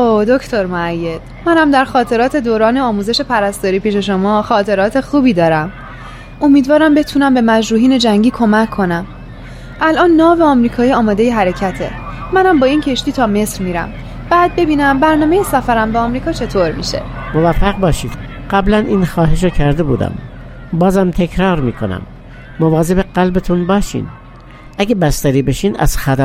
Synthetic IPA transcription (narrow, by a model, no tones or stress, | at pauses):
od̪ocʰt̪ʰoɾmoæjːe̞d̪̥mænhæmd̪æɾxɒːt̪ʰe̞ɾɒːt̪ʰe̞d̪oːɾɒːneɒːmuːze̞ʃe̞pʰæɾæst̪ɒːɾiːpʰiːʃe̞ʃo̞mɒːxɒːt̪ʰe̞ɾɒːt̪ʰe̞xuːbiːd̪ɒːɾæm | o̞miːd̪vɒːɾæmbe̞t̪ʰuːnæmbe̞mæd͡ʒɾuːɦiːne̞d͡ʒæŋɟiːkʰo̞mæcʰːo̞næm | ʔælʔɒːnːɒːveɒːmɾiːkʰɒːiːɒːmɒːd̪e̞jeɦæɾe̞cʰæt̪ʰe̞̰ːænhæmbɒːiːncʰe̞ʃt̪iːt̪ʰɒːme̞sɾmiːɾæ̰m | b̥æːd̪̚be̞biːnæmbæɾnɒːmejesæfæɾæmbeɒːmɾiːkʰɒːt͡ʃʰe̞t̪ʰoɾmḭːʃe̞̰movæfːæɣbɒːʃiːd̪̥ɢ̥æblænʔiːnxɒːɦeʃ̬ɑcʰæɾd̪ebuːd̪æ̰m | bɒːzæmt̪ʰekʰɾɒːɾmiːkʰonæ̰mː | ovɒːzebeɢælbet̪ʰunbɒːʃḭːn | ʔæɡebæst̪æɾiːbeʃiːnæ̰z̥xæd̪æ